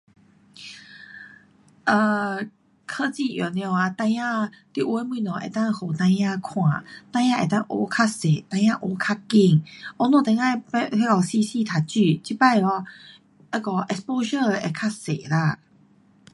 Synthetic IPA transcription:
ʔə˧˩ | kʰə˧t͡ɕi˥˧ʔjɔ˨˩n˧ɛ˧˩a˧t̪ã˧jã˧t̪i˧˨ʔwe˧˦mi˧˨nɔ̃˨ʔḛ˨˩t̪ã˥˧ŋho˨˩t̪ã˧jã˥˧kʰw̃ã˨˩˨t̪ã˧j̃ã˥˧ʔe˨˩t̪a˥˧ʔo˧˦kʰa˥se˨˩˨t̪ã˧j̃ã˥˧ʔo˧˦kʰa˥˧ki˥˧˩ŋʔɔ˧˦nɔ̃˧˨t̪ã˧jã˥˧˨pe˧˦kɔ˧˩si˧si˧˨t̪ʰa˨˩t͡ɕy˥˧˨t͡ɕi˦˧pa˥˧˨jɔ˧˦ | a˧˦kɔ˧˩ʔɛ˧spo˧ɕə˥˧e˨˩kʰa˥se˨˩˨la˧˩

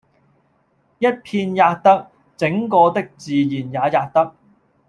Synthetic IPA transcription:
jɐ˥t̚pʰiː˧njaː˧k̚t̪ɐ˥k̚ | t͡sɪ˨˥ŋkɔː˧t̪ɪ˥k̚t͡siː˨jiː˨˩njaː˨˧jaː˧k̚t̪ɐ˥k̚

